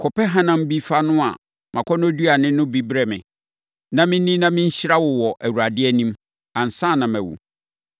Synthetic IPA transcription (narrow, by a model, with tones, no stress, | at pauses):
kʰɔ˨pɛ˦ɦã˦nã˦m˦bi˦fa˦nʊ̃˦a̰˨ | mʔã˨kʰɔ˦nʊ̃˦du˦a˨nɪ̃˦nʊ̃˦bi˦bɾɛ˦mɪ̰̃˨ | nã˦mɪ̃˦nĩ˦nã˦mɪ̃˦ɲ̩˦ɕɪ˦ɾa˦wɔ˨wɔ˨ʔæ˨wu˨ɾa˨dɪ˦ɛ˦nĩ˦m | ã˨n̩˨sã˦˨nã˨mæ˨wṵ˨